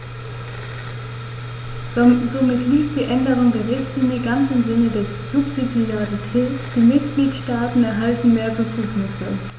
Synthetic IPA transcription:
zomɪtliːktd̥iːʔɛndəʁ̞ʊŋdeːɐʁɪçtliːnjəɡansɪmzɪnədɛ | z̥ʊpz̥idiaʁitʰɛːtd̥iːmɪt̚ɡ̥liːtʃtaːtn̩ɛɐɦaltn̩meːɐbəfuːknɪsə

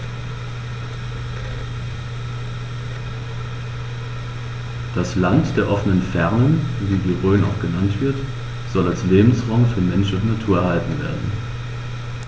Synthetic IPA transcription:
d̥aslantd̥eːɐʔɔfənənfɛʁnənviːdiːʁøːna̰ʊxɡ̥ənantv̥ɪɐt | z̥ɔlalsleːbm̩sʁ̥aʊŋfyːɐmɛnʃn̩ʊntnatʰuːɐɛɐhaltn̩veːɐdn̩

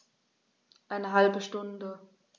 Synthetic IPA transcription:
ʔaɪnəɦalbəʃtʊndə

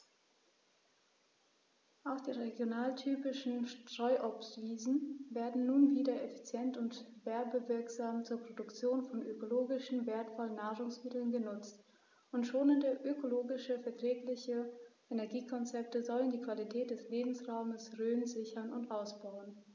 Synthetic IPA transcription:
ʔaʊxd̥eːʁeɡjonaːltʰyːpɪʃn̩ʃtʁ̥ɔʏʔɔpstv̥iːzn̩veːɐdn̩nuːnviːdɐefi̥t͡sjɛntʊnt | v̥ɛɐbəvɪɐkz̥aːmt͡suːɐpʁ̥odʊkt͡sjoːnfɔnʔøkoloːɡɪʃn̩veːɐtfɔlənːaːʁʊŋsmɪtl̩nɡənʊt͡st | ʔʊntʃoːnɪndəʔøkoloːɡɪʃəfɛɐtʁ̥ɛːklɪçəʔenɛɐɡiːkʰɔnt͡sɛp̚təzɔləndiːkv̥alitʰɛːt̚d̥ɛsleːbm̩sʁaʊməsʁøːnzɪçɐnʊntʔaʊsb̥aʊən

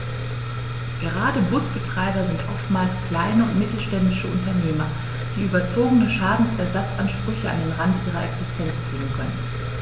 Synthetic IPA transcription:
ɡ̥əʁaːdəbʊsb̥ətʁ̥aɪbɐzɪntʰʔɔftmaːlskʰl̥aɪnəʊntmɪtl̩ʃtɛndɪʃəʔʊntɐneːmɐ | d̥iːʔyːbɐt͡soːɡənəʃaːdn̩sʔɛɐzat͡sʔanʃpʁ̥ʏçəa̰ndeːnʁantʔiːʁ̞ɐʔɛksɪstʰɛnt͡sb̥ʁɪŋən̩kʰœ̰nən

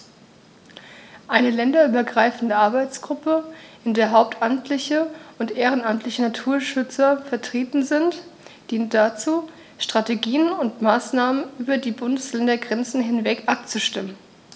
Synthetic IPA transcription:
ʔaɪnəlɛndɐʔyːbɐɡʁaɪfn̩dəʔaɐbaɪt͡sɡ̥ʁʊpəʔɪndeːɐɦaʊp̚tʰʔamtʰlɪçəʊntʔeːʁ̞ənamtlɪçənatʰuːɐʃʏt͡sɐfɛɐtʁ̥eːtn̩zɪntd̥iːntd̥at͡suː | ʃtʁ̥ateɡiːənʊntmaːsnaːmənʔyːbɐdiːbʊndəslɛndɐɡʁɛnt͡sn̩ɦɪnvɛkʔap̚t͡suʃtɪmən

